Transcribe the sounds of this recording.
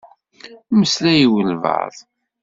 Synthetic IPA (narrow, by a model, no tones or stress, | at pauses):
məslæjiwəlvə̰ðˤ